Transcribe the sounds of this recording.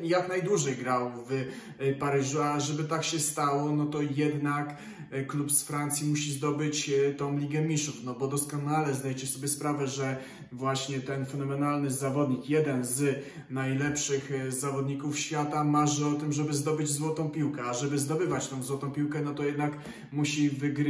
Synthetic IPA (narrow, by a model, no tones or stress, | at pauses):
jaknajd̪wuʐɛjɡɾawv | paɾɘʐuaʐɛbɘt̪akɕɛst̪awɔnɔt̪ɔjɛd̪nak | kːlupsfɾant̪sʲjimuɕizd̪ɔbɘt͡ɕt̪ɔ̃w̃lʲiɡɛmʲiʂufnɔbɔd̪ɔskɔnalɛzd̪ajɛt͡ɕɛsɔbʲjɛspɾavɛʐɛ | vwaɕɲɛt̪ɛnfɛnɔmɛnalnɘzavɔd̪ɲikjɛd̪ɛnz | najlɛpʂɘxzavɔd̪ɲikufɕfʲjat̪amaʐɘɔt̪ɘmʐɛbɘzd̪ɔbɘd͡ʑzwɔt̪ɔ̃w̃pʲiwkɛaʐɛbɘzd̪ɔbɘvat͡ɕt̪ɔ̃w̃zwɔt̪ɔ̃w̃pʲiwkɛnɔt̪ɔjɛd̪nak | muɕivɘɡɾ